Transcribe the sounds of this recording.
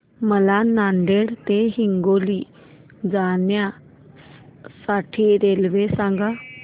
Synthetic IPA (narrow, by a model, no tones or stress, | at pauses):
məlanaɳɖeɽt̪eɦiŋɡoli | d͡zanja | saʈʰiːɾelʋesãŋɡa